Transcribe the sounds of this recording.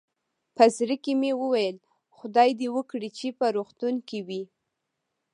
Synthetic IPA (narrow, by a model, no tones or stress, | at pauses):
pəzɾəkimewəwajəl | xʊd̪ɑjd̪ewəkɽit͡ʃepəɾoxt̪unkiwi